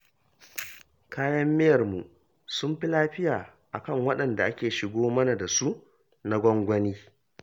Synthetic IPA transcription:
kaː˦jɐ˦mːɪ˦jɐ˨rmu˨ʔ | sʊ˦mɸi˦laː˦ɸɪ˦jaː˨ | ʔa˨kɐ˦˨ŋwɐ˦ɗɐ˨nda˨ʔa˦kʲeː˨ʃɪ˨ɡʷoː˦mɐ˦na˨da˨su˦ʔ | na˦ɡʷɔ˦ŋɡʷɐ˦niː˦

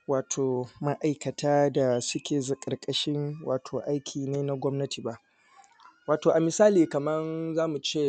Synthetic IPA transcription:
waː˨tʰoː˨ma˦ʔa˨jkɐ˨tʰaː˦da˨sʊ˦kʲeː˨zɐ˨kʼɐ˨rkʼɐ˦ʃɪ˦ŋwaː˨tʰoː˨ʔa˦jkʲʰiː˨neː˦na˦ɡʷɔ˦mnɐ˦tʰiː˨ba˦ʔ | waː˨toː˨ʔa˨mɪ˨saː˦liː˨kɐ˨mɐ˦nzaː˦mu˨t͡ʃeː˦˨

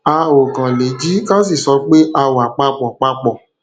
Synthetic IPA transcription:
a˧o˨ɡã˨le˨˦d͡ʒi˦ka˦s̬i˦˨sɔ˧˦k͡pe˦ʔa˧wa˨k͡pa˧k͡pɔ˨k͡pa˧k͡pɔ˨

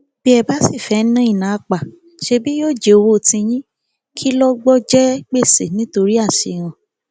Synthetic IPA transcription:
b̥i˦ɛ˧ba˦si˦˨fɛ˨˦nã˦i˦˨nã˨˦˧k͡pa˨ | ʃe˧bi˦joː˦˨d͡ʒe˨o˧wo˦˨tĩ˧j̃ĩ˦ | kʰi˦lɔ˦ɡ͡bɔ˦d͡ʒɛ˦k͡pe˦˨sḛ˨nĩ˨˦to˧ɾi˦a˦˨ʃe˧˨ɾ̃ã˧

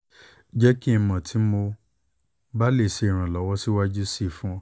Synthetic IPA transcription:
d͡ʒɛ˦ki˦ĩ˧mɔ̃˨tʰi˨˦mo˧ | ba˦le˦˨se˨˧i˨ɾ̃ã˨lɔ˨˦wɔ˦si˦wa˦d͡ʒu˦si˦˨fũ˦ɔ˧˨

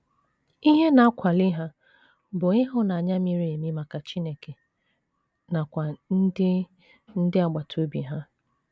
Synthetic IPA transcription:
i˦ɦe˦na˨a˦kʷʰa˨lɪ˦ɦa˦ | bʊ˨ɪ˦ɦʊ˦na˨a˨ɲa˦mi˨ɾi˦e˨mi˦ma˨ka˨t͡ʃi˦ne˦ke˨ | na˨kʷa˨n̩˦dɪ˦ | n̩˦dɪ˦a˨ɡ͡ba˨tʰo˦bi˨ɦa˦

